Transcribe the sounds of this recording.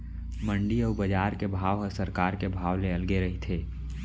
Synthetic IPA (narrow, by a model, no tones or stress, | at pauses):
mə̃ɳɖiɔːbəd͡ʒaːɾkebʱaːʋɦəsɐɾkaːɾkebʱaːʋleɐlɡeɾɐɦit̪ʰeː